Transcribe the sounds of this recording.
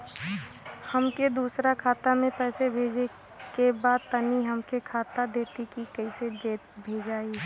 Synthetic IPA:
həmked̪uːsɾakʰaːt̪amẽpɛːsebʱeːd͡ʒe | kebaːd̪̚t̪əniɦəmkekʰaːt̪ad̪eːt̪ikikəised͡ʒeːt̪̚bʱeːd͡ʒaːi

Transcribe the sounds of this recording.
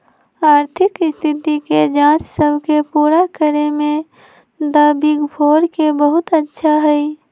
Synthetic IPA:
aɾt̪ʰikst̪ʰit̪iked͡ʒãt͡ʃsəbʱkepuɾakəɾeme | d̪əbiɡbʰʱoɾkebəɦut̪ətːʃʰaɦəj

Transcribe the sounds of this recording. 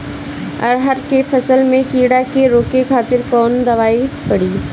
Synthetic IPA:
ɐɾɦɐɾkepʰɐsəlmẽkiːɽakeɾoːkekʰaːt̪ɪɾkɔːnd̪ɐʋaːipɐɽiː

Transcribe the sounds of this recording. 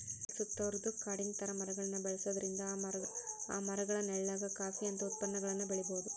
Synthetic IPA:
sut̪ːɐɾd̪ɯkɐɽɪnt̪ɐɾɐmɐɾɐɣɐɭɐnːɐbɛɭɐsɐðɐɾɪnd̪ɐɐa̰ːmɐɾɐɣɐɭɐnɛɭːaːɣɐkaːfiɐnd̪ɐʊt̪̚pɐnːɐɡɐɭɐnːɯbɛɭɪboːðɯ

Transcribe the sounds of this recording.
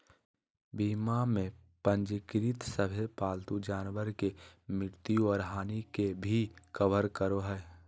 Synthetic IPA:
biːmamẽpə̃nd͡ʒkɾit̪səbʱelpaːlt̪ud͡ʒaːnʋəɾkemɪɽt̪iɔːɾɦaːnikebʱikəʋəɾkəɾoɦɛː

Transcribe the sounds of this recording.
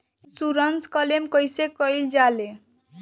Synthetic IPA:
suɾʌnskʌlemkʌjsekʌjld͡ʒale

